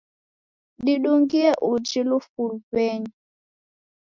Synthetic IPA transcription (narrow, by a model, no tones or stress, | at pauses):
ɗiɗuŋɡiɛʔud͡ʒilufulpɛɲi